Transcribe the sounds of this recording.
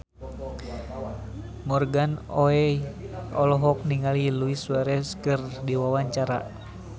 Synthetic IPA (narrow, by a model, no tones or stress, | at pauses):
mɔrɡanɔɛ | ɔlɔɦɔk̚niŋaliluisuwaɾɛskɨrdiwawaɲt͡ʃaɾa̰